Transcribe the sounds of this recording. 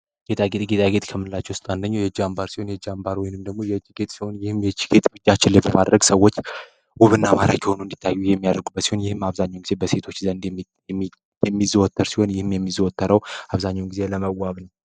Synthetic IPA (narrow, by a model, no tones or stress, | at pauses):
ɡ̥et̪ʼaɡet̪ʼɡe̞t̪ʼaɡe̞t̪kʰəmːɨnlːat͡ʃːɛwʊst̪ʼand̪əɲːawjɛd͡ʒiambaɾsi̥ho̞njɛd͡ʒambaɾwɔjnɨmd̪əɡ̚mo̞jɛd͡ʒːiɡe̞t̪ʼsiho̞njɪhɨmjɛt͡ʃi̥ɡe̞t̪ʼbɨd͡ʒːat͡ʃːɪlːebəmad̪ɾəɡsəwːo̞t͡ʃː | wuβɨnːamaɾakiho̞nund̪i̥t̪ʰːajːujɛmːijad̪əɾɡubət̪siho̞njɪhɨmːaβzaɲːawnɡize̞bəse̞t̪ʰo̞t͡ʃːzənd̪ | j | jɛmːizəwɔt̪ʰːəɾsiho̞njɪhɨmjɛmːizəwɔt̪ʰːəɾəwaβzaɲːawnɡize̞ləməwːaβnəw